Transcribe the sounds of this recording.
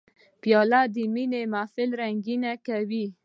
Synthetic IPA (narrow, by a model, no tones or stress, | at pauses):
pjɑlad̪əminemafɪlɾaŋɡinakawi